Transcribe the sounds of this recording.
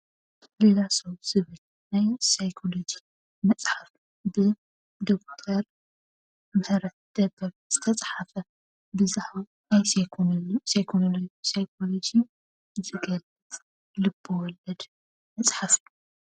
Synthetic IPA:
lelasowz̥ɨβɨl | najsajkʰolod͡ʒi | mɐt͡sʼħaf | bɨ | d̪okt̪ʰɐɾ | mɨħɨɾɐt̪̚d̪̥ɐbːɐɾz̥ɨt̪ʰɐt͡sʼħafɐ | bɨzaħwa | ajsʰ | sajkʰonolosajkʰolod͡ʒi | zɨɡɐlːɨt̪ʼ | lɨbːowɔlɐd̪ | mɐt͡sʼħafɨju

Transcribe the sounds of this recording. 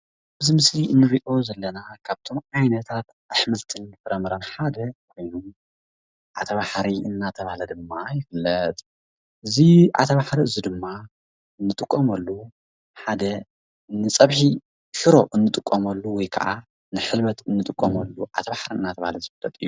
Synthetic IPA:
bɨzimɨsliʔɨnːɨɾiʔo̞zɐlːɐnakʰaβt̪ʰo̞mʕajnɐt̪ʰat̪ | ʔaħmɨlt̪ʰɨnːɨfɨɾɐmɐɾɐnħad̪ɐkʷʰojnum | ʕa̰t̪ʰɐβaħɾiɨnːat̪ʰɐβahlɐd̪ɨmːajɪfɨlːɐt̪ʼ | ʔɨziʕa̰t̪ʰɐβaħɾiɨzid̪ɨmːa | ɨnːɨt̪ʼɨkʼːɐmɐlːu | ħad̪ɐ | nɨt͡sʼɐβħi | ʃɨɾo̞ʔɨnːɨt̪ʼɨkʼːɐmɐlːuwɔjkʰɐ̰ʔa̰ | nɨħɨlmɐt̪ɨnːɨt̪ʼɨkʼːɐmɐlːuʕa̰t̪ʰɐβaħɾiɨnːat̪ʰɐβahalɐzɨfɨlːɐt̪ʼɨjːu

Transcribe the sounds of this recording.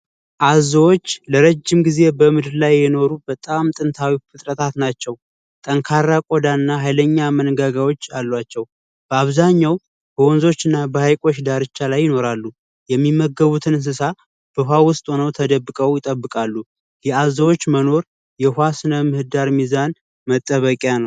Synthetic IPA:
ʔazəwo̞t͡ʃːləɾəd͡ʒːɪmɡize̞bəmɨd̪ɨɾlajːɛno̞ɾubət̪ʼamt̪ʼɨnt̪ʰawifɨt̪ʼɾət̪ʰat̪nat͡ʃːɛw | t̪ʼəŋkʰaɾːakʼo̞d̪anːaɦajləɲːamənɡaɡawo̞t͡ʃːalːwat͡ʃːɛw | b̥əaβzaɲːaw | b̥əwɔnzo̞t͡ʃːɨnːabəhajkʼo̞t͡ʃd̪aɾɨt͡ʃːalajːɪno̞ɾalːu | jɛmːimːəɡəβut̪ʰɨnɨns̬ɨsa | b̥əɦʷwawʊst̪ʼonəwt̪ʰəd̪əbːɨkʼəwjɪt̪ʼəbːɨkʼalːu | jɛazəwo̞t͡ʃːməno̞ɾ | jɛhʷwasɨnəmɨhɨd̪aɾmizan | mət̪ʼːəβəkʼjanəw

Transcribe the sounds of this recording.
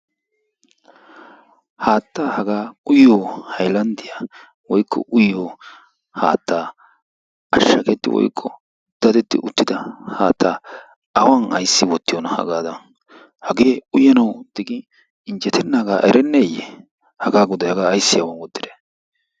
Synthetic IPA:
haːt̪ːaːhɐɡaːʊjoːhɐjlɐnd̪ɪja | wɔjkːɔ̰ʔʊjːoː | ha̰ːt̪ʰːaː | ɐʃːɐkɛt̪ːɪ̰wɔ̰jkʰːɔ | d̪̥ɐd̪ɛt̪ːɪ̰ʊt̪ːɪd̪ɐhaːt̪ʰːaː | ɐwɐnɐjsːɪwɔt̪ːɪjonɐhɐ̰ɡaːd̪ɐn | hɐɡe̞ːʊjɐnɐwd̪̥ɪɡɪ | ɪnd͡ʒɛt̪ʰɛnːɐɡaːʔɛɾɛnːeːjɛ | hɐɡaːɡʊd̪ɐjɐɡaːɐjsːɪjɐwɐnwɔd̪ːɪd̪e

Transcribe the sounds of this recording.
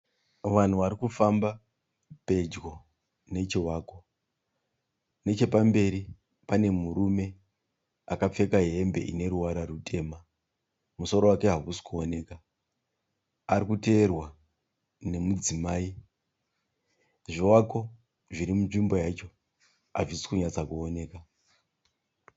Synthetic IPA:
ʋan̤uʋaɾikufamba | pe̞d͡ʒɡo̞ | ne̞t͡ʃiwaːko̞ | ne̞t͡ʃe̞pambe̞ɾi | pane̞muɾume̞ | akap͡fe̞kaɦeembe̞̰ʔḭne̞ɾuwaɾarutʰe̞ːma | muso̞ɾo̞wake̞ɦakusi̥kuo̞ne̞ːka | aɾikute̞ːrwa | ne̞mud͡zimaːi | ʐiwako̞ | ʐiɾimunʐimbo̞jat͡ʃo̞ | aʐisi̥kuɲat͡sakuone̞ːka

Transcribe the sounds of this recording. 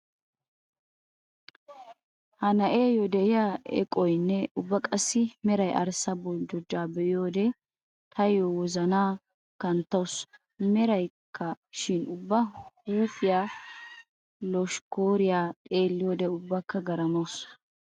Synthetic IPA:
hɐnɐʔeːjɔd̪ɛɪjaːɛ̰kʼɔjnːɛʊbːɐkʼɐsːɪmɛɾɐjʔɐ̰ɾsɐbɔld͡ʒɔd͡ʒːaːbɛʔɪjoːd̪ɛ | t̪ʰɐjɔwɔzɐnaː | kɐnt̪ːɐws | mɛɾɐjkʰːɐ | ʃɪnʊbːɐhuːfɪjaː | lɔʃkoːɾɪjaːt̪ʼe̞ːlːɪjoːd̪ɛʊbːakːɐɡɐɾɐmɐws

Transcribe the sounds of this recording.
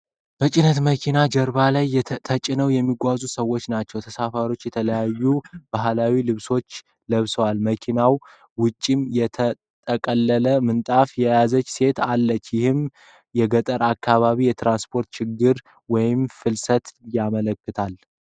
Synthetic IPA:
bət͡ʃʼɪnət̪məkʰinad͡ʒəɾbalajt̪ʰət͡ʃʼɪnəwjɛmːiɡʷazusəwːo̞t͡ʃːnat͡ʃːɛwt̪ʰəsafaɾo̞t͡ʃːjɛt̪ʰələjajːub̥aɦlawilɨβso̞t͡ʃː | ləβsəwalməkʰinaw | wʊt͡ʃʼːimjɛt̪ʰə | t̪ʼəkʼəlːələmɨnt̪ʼafjɛjazət͡ʃːse̞t̪alːət͡ʃːjɪhɨm | jɛɡət̪ʼəɾakʰːaβaβijɛt̪ɾanspʰo̞ɾt̪t͡ʃɪɡːɨɾ | wɔjɪmfɨlsət̪jamələkːɨt̪ʰal

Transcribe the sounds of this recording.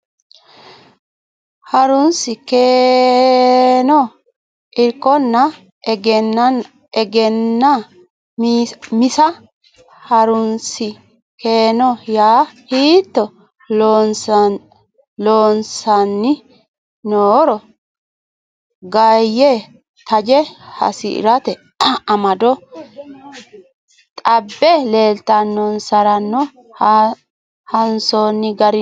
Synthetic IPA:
hɐɾʊnsɪkeː | nɔ | ʔɪɾkːɔnːɐ | ɡɛnːɐn | ɛɡɛnːɐ | mɪsɐ | hɐɾʊnsɪ | keːnɔjaːhiːt̪ːɔ | ns | loːnsɐnːɪ | noːɾɔ | ɡɐjːe | t̪ʰɐd͡ʒɛhɐ̰sɪ̰ɪ̰ɾɐt̪ɛ | ɐmɐd̪ɔ | t̪ʼɐbːɛleːlt̪ːɐnːɔnsɐɾɐnːɔ | hɐnsoːnːɪɡɐɾɪ

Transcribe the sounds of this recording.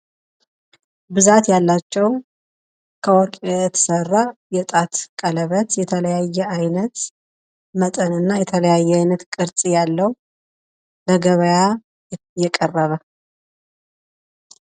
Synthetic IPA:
bɨzat̪jalːat͡ʃːɛw | kʰəwɔɾkʼjɛt̪ʰə̥sərːajɛt̪ʼat̪kʼələβət̪jɛt̪ʰələjajːɛajnət̪ | mət̪ʼənɨnːajɛt̪ʰələjajːɛajnət̪kʼɨɾt͡sʼijalːəhu | ləɡəβəja | jɛkʼərːəβə

